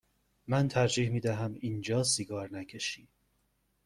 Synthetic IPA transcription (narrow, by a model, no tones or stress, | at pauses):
mænt̪ʰæɾd͡ʒiːhmiːd̪æɦæmiːnd͡ʒɒːsiɡɒːɾnæcʰe̞ʃiː